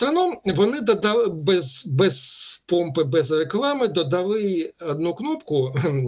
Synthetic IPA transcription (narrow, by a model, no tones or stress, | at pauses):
t̪ɾɐnɔmʋɔnɪd̪ɐd̪ɐbɛzbɛzpɔmpɪbɛzreklˠɑmɪd̪ɔd̪ɐlˠɪɐd̪nuknɔpkʊ